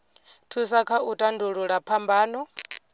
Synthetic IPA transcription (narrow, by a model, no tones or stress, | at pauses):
tʰusakʰautʼanduɺuɺapʰambaːnɔ